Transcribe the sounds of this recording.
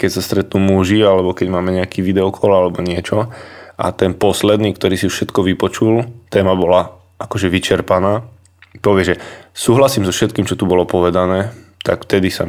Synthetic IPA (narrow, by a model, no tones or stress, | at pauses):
kɛcsast̪ɾɛt̪nuːmuʒialɛbɔkɛɟmaːmɛɲɛakiːʋid̪ɛɔkʰɔlalɛbɔɲɪɛt͡ʃɔʔa̰t̪ɛnpɔslɛd̪niːkt̪ɔɾiːsiuʃʃɛt̪kɔʋipɔt͡ʃult̪ɛːmabɔla | ʔakɔʒɛʋit͡ʃɛɾpanaː | pɔʋɪɛʒɛsuːɦlasiːmzɔfʃɛt̪̚kiːmt͡ʃɔt̪ubɔlɔpɔʋɛd̪anɛːt̪a̰kft̪ɛd̪isa̰